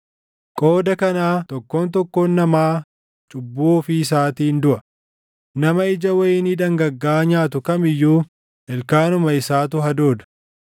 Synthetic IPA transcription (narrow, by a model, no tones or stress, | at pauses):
kʼo̞ːd̪ɐkɐnaːt̪ɔkːoːnt̪̬ɔkːoːnːɐmaː | t͡ʃʼʊbːuːfɪːs̬aːt̪iːnd̪ʊʔɐ | nɐmɐɪd͡ʒɐwɐjɪːniːᶑ̪ɐŋɡɐɡːaːɲaːt̪̬ʊkɐmɪjːuː | ʔɛlkaːnʊmɐɪsaːt̪ʊɦɐd̪o̞ːd̪ɐ̥